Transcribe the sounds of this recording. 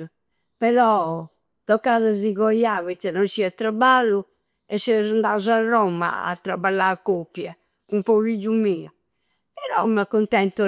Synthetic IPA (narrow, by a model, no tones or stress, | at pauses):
pɛɾɔ | t̪ɔkːaðaziɣɔjaːvit̪sɛnɔnt͡ʃiat̪ːɾabalːu | ɛsːɛzand̪auzarːɔma̰a̰t̪ːɾabalːakːopːjɛ | kumpɔɣid͡ʒumiːa | pɛɾɔ̰makːunt̪ɛnt̪u